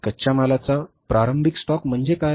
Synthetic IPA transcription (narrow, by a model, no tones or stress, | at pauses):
kəɕamalat͡sapɾaɾəmbʱiksʈɔkm̤əɳd͡zeka